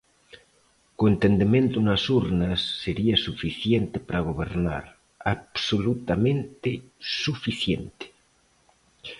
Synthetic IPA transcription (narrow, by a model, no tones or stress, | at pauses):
koent̪end̪emẽnt̪unasuɾnasːeɾiasufiθjent̪epaɾaɣ̞oβ̞eɾna̰ɾ | aβsolut̪amẽnt̪esufiθjḛnt̪e̥